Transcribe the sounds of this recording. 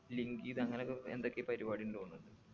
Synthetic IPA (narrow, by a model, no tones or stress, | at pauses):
liŋɡijðɨɐŋːɐnekːend̪o̞kːepɐɾibaːɽinlɨuɳːuɳɖɨ